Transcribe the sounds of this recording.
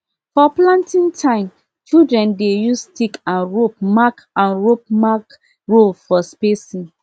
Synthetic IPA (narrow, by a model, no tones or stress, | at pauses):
fɔplãntĩŋtʰãɪ̃m | t͡ʃildɹɛ̃ndejustikãnɹop̚mak | ãnɹop̚mak | ɹolfɔspesĩn